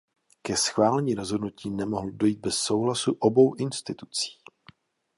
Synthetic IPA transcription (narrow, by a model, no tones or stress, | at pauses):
kɛsxvaːlɛɲiːɾo̞zɦodnuciːnɛmoɦl̩do̞jiːd̪̚bɛsːo̞wɦlasuʔobo̞wʔɪnst̪ɪt̪u̥t͡si̥ː